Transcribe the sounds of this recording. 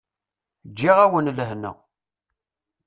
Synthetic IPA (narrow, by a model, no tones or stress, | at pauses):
d͡ʒːiʁæwənləɦnə̰